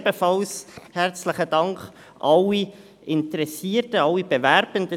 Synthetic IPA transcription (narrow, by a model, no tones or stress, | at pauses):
bəfɑlshɛɾt͡sləχədɑŋkχ | ʔɑlːi | ɪntəɾɛsiːɾtəɑlːib̥əvɛɾb̥əndə